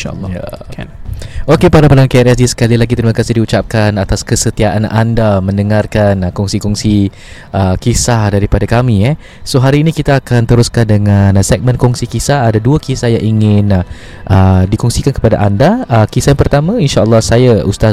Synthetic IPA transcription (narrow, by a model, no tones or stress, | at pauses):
a̰lːja̰ | okepaɾabəlaŋkeaɾɛs̬disə̥kalilaɡit̪əɾimãkasɪhdiut͡ʃap̚kanat̪askəsət̪iaʔanʔa̰ndamə̃ndəŋarkankɔŋsikɔŋsi | ʔəkisahdaɾipadakamĩɛ | soɦaɾiːnĩkit̪aːkant̪əɾuskandəŋansɛk̚mə̃nkɔŋsikisahadaduakisaja̰ŋʔiŋɪn | ʔədikɔŋsikankəpada̰ʔandaəkisajãŋpərt̪amãinʃaʔəlˠːɑhsajaust̪a